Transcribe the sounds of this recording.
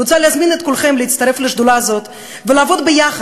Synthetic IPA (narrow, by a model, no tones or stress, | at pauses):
ut͡saleazminet̪̚kulχemleit̪st̪ɐɾe̞fleʃd̪ulazo̞t̪ | velaːvo̞d̪bejaχ